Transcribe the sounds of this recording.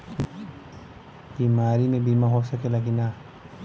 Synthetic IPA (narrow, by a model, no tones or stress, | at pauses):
b̥imaɾinɛbimaɦɔsəkɛlaɡina